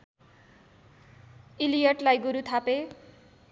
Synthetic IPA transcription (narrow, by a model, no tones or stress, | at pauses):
ilijʌʈlajɡuɾut̪ʰape